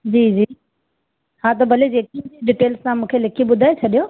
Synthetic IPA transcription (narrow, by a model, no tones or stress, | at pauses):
d͡ʑiːd͡ʑiː | hãt̪̬ɐbʱɐled͡ʑeːkĩeɖɪʈeːlssãmũːkʰelɐkʰiɓʊd̪ʱaːet͡ɕʰɐɗijo